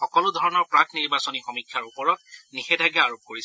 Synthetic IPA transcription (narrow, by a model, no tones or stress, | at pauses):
xɔkɔlʊdʱɔɹɔnɔɹpɹakʰniɹbasɔnixɔmikʰːjaɹupɔɹɔt̚nixɛdʱaɡɛaɹop̚koɹis